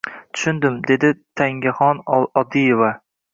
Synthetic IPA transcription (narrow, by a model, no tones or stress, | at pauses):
t̪ʰʊ̥ʃʊnd̪ɪmd̪e̞d̪ɪt̪ʰaŋɡʲaχɒnɒd̪ijeva